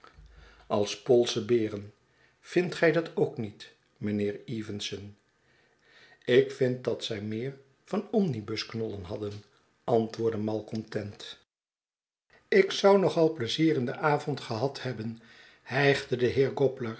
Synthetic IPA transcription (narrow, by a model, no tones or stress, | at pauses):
ɑlˠspɔlˠsəbɪːrən | v̥ɪntχɛjdɑtʰowknit | mənɪːɹiːvənsən | ɪkfɪnt̚dɑtsɛjmɪːɹ | v̥ɑnɔmnibɵsknɔlənɦɑdən | ʔɑntʋʊːɹdəmɑlˠkɔntɛnt | ɪksɑwnɔχɑlˠpləziːrɪndəʔaːvɔntχəɦɑthɛbən | hɛjχdədəɦɪːɹɡɔpləɹ